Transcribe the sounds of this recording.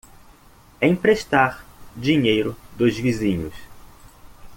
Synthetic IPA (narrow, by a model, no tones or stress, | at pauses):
ẽj̃pɾeʃt̪aɾd͡ʒiɲejɾʊd̪ʊzvizĩɲʊs